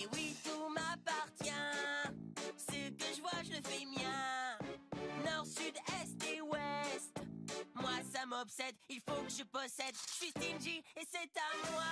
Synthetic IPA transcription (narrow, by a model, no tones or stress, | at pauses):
ewit̪umapaʁt̪jɛ̃ | səkəʒəvwaʒələfɛmjɛ̃ | nɔʁsyd̪ɛst̪ewɛst̪mwasamɔpsɛd̪ilfokəʒəpɔsɛd̪ʃɥist̪inʒiesɛt̪amwa